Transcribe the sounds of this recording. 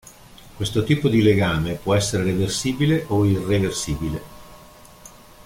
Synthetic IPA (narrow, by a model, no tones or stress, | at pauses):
kwest̪ot̪iːpod̪ileɡaːmepwɔɛsːeɾeɾeversiːbileʔoireversiːbile